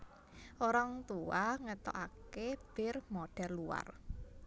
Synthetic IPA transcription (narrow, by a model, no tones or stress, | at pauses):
ʔoɾaŋt̪uaŋət̪ɔ̰ʔakeb̥ɪrmoɖ̥ɛrlua̰r